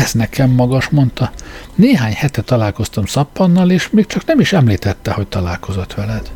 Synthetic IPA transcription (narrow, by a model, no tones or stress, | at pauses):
ɛznɛkɛmːɒɡɒʃmo̞nt̪ɒneːɦaːɲhɛt̪ɛt̪ːɒlaːlko̞st̪ɒmsɒpːɒnːɒleːʃmeːk̚t͡ʃɒknɛmiʃɛmliːt̪ɛt̪ːɛho̞c̚ʲt̪ɒlaːlko̞zot̪ʋɛlɛd̪̥